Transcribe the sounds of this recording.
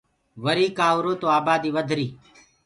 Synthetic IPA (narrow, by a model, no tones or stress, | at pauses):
ʋəɾiːkaːʋɾoːt̪oːaːbaːd̪iːʋəd̪ʱɾiː